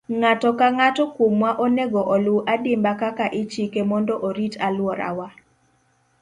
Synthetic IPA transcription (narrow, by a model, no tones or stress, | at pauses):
ŋatɔkaŋatɔkwomwaʔoneɡɔʔɔlʊʔadɪmbakakaʔɪt͡ʃikemɔndɔʔoɾitalwɔɾa̰wa